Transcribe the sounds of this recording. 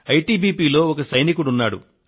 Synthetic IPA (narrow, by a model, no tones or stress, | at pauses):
ɐjʈiːbiːpiːlo̞ːɔkɐsɐjnikuɽunːaːɽṵ